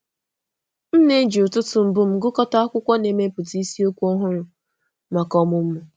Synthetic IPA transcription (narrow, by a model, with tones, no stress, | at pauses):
n̩˦ne˦d͡ʒi˨ʊ˨tʊ˦tʊ˨m̩˨bʊ˦m̩˦ɡʊ˦kɔ˦ta˦a˦kʷʊ˦kʷɔ˦ne˨me˦pʊ˨ti˦si˦o˦kʷu˦ɔ˦ɦʊ˦ɾʊ˨ | ma˨kɔ˦mʊ˨m̩˦mʊ˨